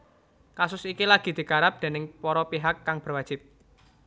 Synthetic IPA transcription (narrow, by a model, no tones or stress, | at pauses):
kasʊsikilaɡ̥i̤d̪̥i̤kaɾap̚d̪̥e̤nɪŋpɔɾɔpiɦakːaŋb̥ərwad̥d͡ʒʒ̥ɪp̚